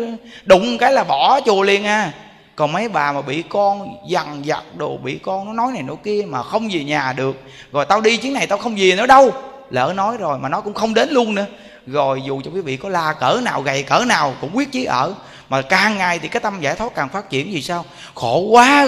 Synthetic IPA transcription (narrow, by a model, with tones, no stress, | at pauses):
ɗʊ˧˨ŋ͡mkaː˨˦jlaː˨˩ɓɔ˧˩t͡ɕu˨˩əli˧˩ənʔaː˧ | kɔ˨˩nmə˨˦jɓaː˨˩maː˨˩ɓḭ˧˨kɔ˧nza˨˩ŋza̰˨˩t̚ɗo˨˩ɓḭ˧˨kɔ˧nnɔ˨˦nɔ˨˦jna˨˩jno̰˧˩jki˧əmaː˨˩xə˧wŋ͡mzi˨˩ɲaː˨˩ɗɨ˨˩ək̚ | zɔ˨˩jt̪a˧wɗi˧t͡ɕi˨˦əŋna˨˩jt̪aː˧wxə˧wŋ͡mzi˨˩ənɔ˨˦ɗə˧w | lə̰ː˧˩nɔ˨˦jzo˨˩jmaː˨˩nɔ˨˦kʊ̰˧˥ŋ͡mxə˧wŋ͡mɗe˨˦nlu˧ənnɨ̰˧˥ə | zo˨˩jzu˨˩t͡ɕɔ˧kwi˨˦vḭ˧˨kɔ˨˦laː˧kəː˧˩naː˨˩wɣa˨˩jkəː˧˩naː˨˩wkʊ̰˧˥ŋ͡mɓwi˦˥ət̚t͡ɕi˨˦ʔə̰ː˧˩ | maː˨˩kaː˨˩ŋːa˨˩jt̪ʰi˨˩kaː˨˦jk̚t̪a˧mzaː˧˩jt̪ʰwa˦˥t̚kaː˨˩ŋfaː˦˥t̚t͡ɕi˧˩˨ənzi˨˩saː˧w | xo˧˩kwaː˨˦